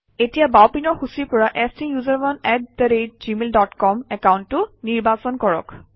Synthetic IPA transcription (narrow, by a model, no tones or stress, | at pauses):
etijabawpinɔɹxusiɹpɔɹaʔɛstijuzaɹbɔnɛt̚dəɹed̚zimeldɔtkɔmɛkawntːʊniɹbasɔnkɔɹɔ̰k